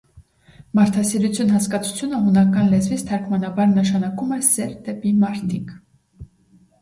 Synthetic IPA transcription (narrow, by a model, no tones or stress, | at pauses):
mɑɾt̪ʰɑsiɾut͡sʰjunɦɑskɑt͡sʰu̥t͡sʰjunəɦunɑkɑnlɛzvit͡sʰt̪ʰɑɾkʰmɑnɑbɑɾnəʃɑnɑkumɛsɛɾd̪ɛpimɑɾt̪ʰik